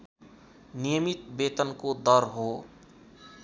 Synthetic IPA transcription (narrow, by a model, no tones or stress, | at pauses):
nijəmit̪bet̪ənkod̪ʌɾɦo